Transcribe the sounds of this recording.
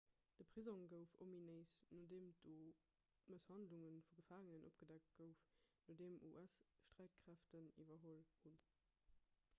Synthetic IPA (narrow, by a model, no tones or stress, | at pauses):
d̥əpʁ̥izoŋɡəʊfomineɪsnodeːmd̥oː | məshɑndluŋənfuɡəfaːŋənənʔo̰p̚ɡ̥ədæk̚t̚ɡ̥əʊfnodeːmṵʔæsʃtʁæɪt̚kʁæftənḭvɐɦolhun